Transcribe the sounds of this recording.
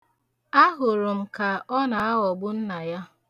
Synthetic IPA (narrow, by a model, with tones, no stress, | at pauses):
a˦ɦʊ˨ɾʊ˨m̩˨ka˨ʔɔ˦na˨a˦ɣɔ˨ɡ͡bʊ˦n̩˦na˨ja˦